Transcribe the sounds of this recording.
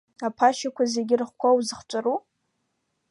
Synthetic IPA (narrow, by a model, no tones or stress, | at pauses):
apʰaʃakʷʰazeɡʲɪrɨχʷkʷʰawzɨχt͡ʃʷʼaɾu